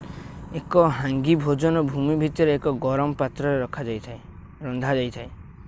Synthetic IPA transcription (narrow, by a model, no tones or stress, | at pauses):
ekɔɦãŋɡibʱod͡ʒɔnɔbʱumibʱit̪ɔɾeːkɔɡɔɾɔmɔpat̪ɾɔɾeɾɔkʰad͡ʒat̪ʰe | ɾɔnd̪ʱad͡ʒajt̪ʰae